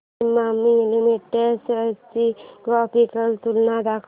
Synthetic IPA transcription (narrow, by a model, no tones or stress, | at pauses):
mamːilimiʈːesət͡ʃiɡɔːpikəlt̪ulnad̪ak